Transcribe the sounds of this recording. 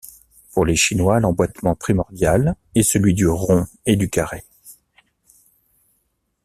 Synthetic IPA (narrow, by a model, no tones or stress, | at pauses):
puʁleʃinwalɑ̃bwat̪mɑ̃pχimɔʁd̪jal | ɛsəlɥid̪yʁɔ̃ | ed̪ykaʁe